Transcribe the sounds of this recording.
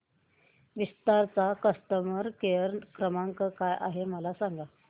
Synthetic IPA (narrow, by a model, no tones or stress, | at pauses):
ʋist̪aɾt͡sakəst̪əməɾkejəɾkɾəmaŋkəkajʔa̰ɦeməlasaŋɡa